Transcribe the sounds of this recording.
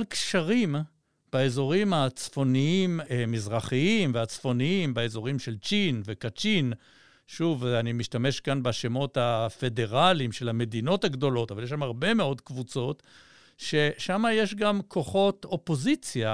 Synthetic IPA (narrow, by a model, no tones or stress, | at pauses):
lkʃaʁim | b̥aezo̞ʁimat͡sfo̞niimmizʁaχiimveat͡sfo̞niimbaezo̞ʁimʃe̞lt͡ʃinve̞kat͡ʃin | ʃuvanimiʃtame̞ʃkanbaʃemo̞thafe̞de̞ʁalimʃe̞lhame̞dino̞thaɡdo̞lo̞tavaljeʃamaʁbe̞me̞o̞dkvut͡so̞t | ʃe̞ʃamaje̞ʃɡamkʰo̞χo̞to̞po̞zit͡sja